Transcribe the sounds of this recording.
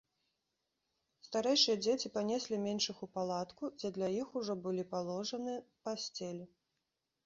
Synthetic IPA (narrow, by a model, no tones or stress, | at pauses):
st̪aɾɛjʂɨjɐd͡zʲet͡sʲipanʲɛsʲlʲimʲɛnʂɨxupalˠat̪kud͡zʲɛd̪lʲɐjixuʐɔbɨlʲipalˠɔʐɐnɨpasʲt͡sʲɛlʲi